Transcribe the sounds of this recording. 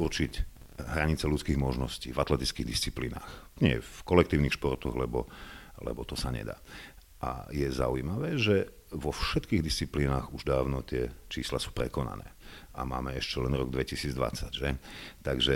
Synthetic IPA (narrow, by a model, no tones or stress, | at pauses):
urt͡ʃic | ɦɾaɲit͡sɛlut͡skiːɣmɔʒnɔsciːvat̪lɛt̪it͡skiːɣd̪ist͡sipliːna̰ːx | ɲɪɛ̰fkɔlɛkt̪iːʊnixʃpɔrt̪ɔɣlɛbɔlɛ̰bɔt̪ɔsaɲɛ̰d̪a̰ː | ʔa̰jɛza̰ujimaʋɛːʒɛ | ʋɔfʃɛt̪kiːɣd̪ist͡sipliːnaːɣuʒd̪aːʊnɔt̪ɪɛt͡ʃiːslasuːpɾɛkɔna̰nɛ̰ːʔamaːmɛɛʃcɛlɛnɾɔɡd̪ʋɛcisiːd͡zd̪ʋa̰t͡saɟʒɛt̪aɡʒɛ